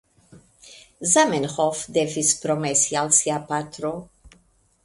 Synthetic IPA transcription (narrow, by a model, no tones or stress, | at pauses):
zamɛnxɔfd̪ɛvispɾɔmɛsjalsjapat̪ɾo